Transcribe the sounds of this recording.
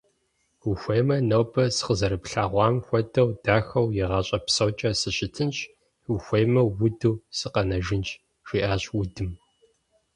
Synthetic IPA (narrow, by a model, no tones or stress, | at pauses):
uxʷejmɐnɐwbɐsɨ̥qəzɐɾɨpɬaːʁʷɑːmxʷɔdɐwdaːxɐwjɪʁɐɕʼɐpsɐwt͡ʃʼɐsɨɕɪtʰɨnt͡ʃʼ | uxʷejmɐwʊdɨwsɨqɐnɐʒɪnt͡ʃʼ | ʒiːʔaːɕwʊdɨm